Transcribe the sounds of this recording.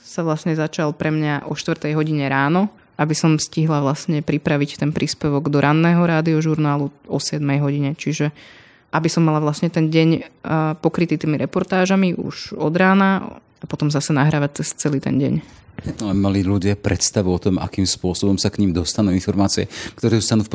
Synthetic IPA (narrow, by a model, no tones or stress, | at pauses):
saʋlasɲɛzat͡ʃalpɾɛmɲaʔɔʃt̪ʋɾt̪ɛjɦɔɟiɲɛɾaːnɔ | ʔabisɔmfsciɦlaʋlasɲɛpɾipɾaʋict̪ɛnpɾiːspɛʋɔɡd̪ɔɾʔanːɛːɦɔɾaːd̪iɔʒuɾnaːluɔsɪɛd̪mɛjɦɔɟiɲɛt͡ʃiʒɛ | ʔabisɔmːalaʋlasɲɛt̪ɛnɟɛɲpɔkɾit̪iːt̪iːmiɾʔɛpɔɾt̪aːʒamiʔṵʒɔd̪ɾaːna | apɔt̪ɔmzasɛnaɦɾaːʋac̚t͡sɛst͡sɛliːt̪ɛ̰nɟɛ̰ɲɛt̪ɔlɛmaliʎuɟɪapɾɛt̪st̪aʋuɔt̪ɔma̰kimspʊɔsɔbɔmsakɲimd̪ɔst̪anuːinfɔɾmaːt͡siɛ̰kt̪ɔɾɛːɔst̪anuːfp